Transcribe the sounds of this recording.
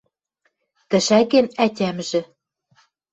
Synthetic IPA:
t̪ɘ̆ʃækenæt̪ʲæmʒɘ̆

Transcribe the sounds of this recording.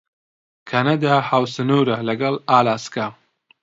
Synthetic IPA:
kʰanad̪ahaːwsɨnuːɾɐlɐɡɐlaːlaːska

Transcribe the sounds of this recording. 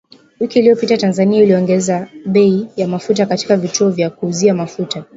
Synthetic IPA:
wikiːliɔpitatanzaniailiɔŋɡɛzaɓɛijamafut̬akati̥kavituɔvjakuːziamafuta

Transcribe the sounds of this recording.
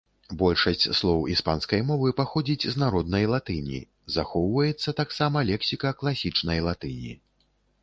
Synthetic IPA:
bɔlʲʂɐsʲt͡sʲslˠɔwispanskɐjmɔvɨpaxɔd͡zʲit͡sʲznaɾɔd̪nɐjlˠat̪ɨnʲḭ | zaxɔwvɐjɛt̪sːɐt̪aksamɐlʲɛksʲikɐklˠasʲit͡ʂnɐjlˠat̪ɨnʲḭ

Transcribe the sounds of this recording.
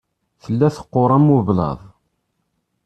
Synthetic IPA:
θəlːæθə̥qːoɾˤɑmːuvlɑ̰ðˤ

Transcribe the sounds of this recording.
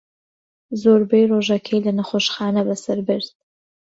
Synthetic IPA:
zoːɾbejroːʒɐkʰɐjlɐnɐχoʃχɑːnɐbɐsɐɾbɨɾd̪̥̚

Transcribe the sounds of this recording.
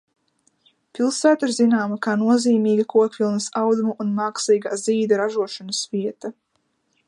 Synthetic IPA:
pilˠsæːt̪aiɾzinaːmakaːnuɔziːmiːɡɐkuɔkvʲilˠnɐsawd̪umuʔunmaksiːɡaːziːd̪ɐɾaʒuɔʃɔnɐsviɛt̪a

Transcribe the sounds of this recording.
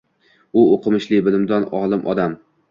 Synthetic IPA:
ʊoqʰɨmɪʃlɪbɪlɪmd̪ɒnɒlˠɪmʔɒ̰d̪am

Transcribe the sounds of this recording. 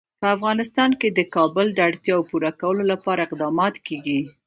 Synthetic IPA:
pəafɣɑnɪst̪ɑnked̪əkɑbəld̪əaɽt̪jɑawpuɾakawəlolapɑɾaɪqd̪ɑmɑt̪keɡi

